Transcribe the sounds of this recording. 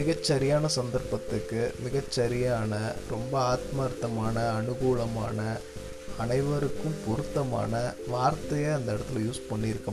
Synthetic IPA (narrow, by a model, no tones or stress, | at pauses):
ɪɣɐt͡ʃːɐɾɪjaːnɐsɐnd̪ɐɾpɐt̪ːɯkːɯmɪɣɐt͡ʃːɐɾɪjaːnɐɾɔmbɐaːt̪maːɾt̪ːɐmaːnɐːnɯɣuːɭɐmaːnɐ | ɐnɐɪʋɐɾɯkːɯ̃mpʊɾɯt̪ːɐma̰ːnɐʋaːɾt̪ɐjɐɐnd̪ɐɛɽɐt̪ːɪljuːspɐɳːɪɾɯkːɐ